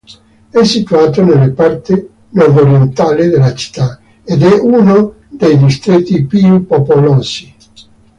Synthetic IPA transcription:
ɛsːit̪uaːt̪onelːepart̪i | nwɔvoɾjent̪aːlid̪elːat͡ʃi̥t̪ːa | ed̪ɛʔuno | d̪ejd̪ist̪ɾet̪ːipiupopolɔːsi

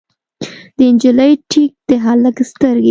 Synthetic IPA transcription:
d̪əɪnd͡ʒiləjʈʰik̚d̪̥əɦɑləkst̪əɾɡe

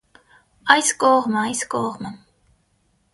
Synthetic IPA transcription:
ɑjskɔʁməɑjskɔʁmə

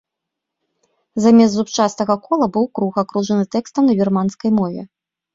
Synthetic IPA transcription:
zamʲɛzzupt͡ʂast̪ɐɣɐkɔlˠɐbɨwkɾuɣakɾuʐɐnɨt̪ɛkst̪ɐmnɐbʲirmanskɐjmɔvʲɛ̰

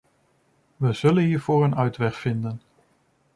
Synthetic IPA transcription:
ʋəz̥ɵlənɦiːɹv̥ʊːɹənœɥtʋɛχfɪndən

